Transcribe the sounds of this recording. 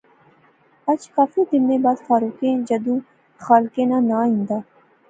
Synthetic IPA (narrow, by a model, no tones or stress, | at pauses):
ɐt͡ʃkaːfid̪ɪnmẽbaːd̪faːɾuːkẽːd͡ʒɐd̪ũː | xaːlkẽːnãːnaːɦĩnd̪aː